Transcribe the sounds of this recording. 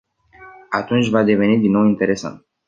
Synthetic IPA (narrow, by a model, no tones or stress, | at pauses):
at̪unt͡ʃʲvad̪e̞ve̞nid̪inːo̞wint̪e̞ɾe̞sa̰nt̪̚